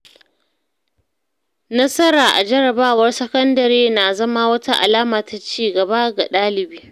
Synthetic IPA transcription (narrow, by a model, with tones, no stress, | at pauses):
nɐ˦sɐ˦ɾaː˨ʔa˨d͡ʒɐ˦ɾɐ˨baː˦wɐ˦rsɐ˦kɐ˦ndɐ˨ɾeː˦na˨zɐ˦ma˦wɐ˦ta˦ʔa̰˨laː˦maː˨ta˨t͡ʃiː˦˨ɡɐ˨ba˦ɡa˨ɗaː˦lɪ˨biː˦